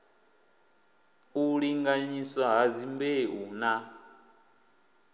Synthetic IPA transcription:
uɺiŋɡaɲiswaɦazimbeuna

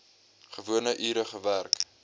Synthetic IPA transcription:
χəvuənəʔyːɾəχəværk

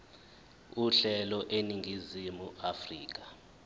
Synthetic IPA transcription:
uɬɛlɔʔeniŋɡʱizimuafriːk̬ḁ

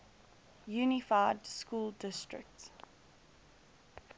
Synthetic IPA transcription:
juːnɪfaɪdskuːldɪstɹɪ̰k̚ts

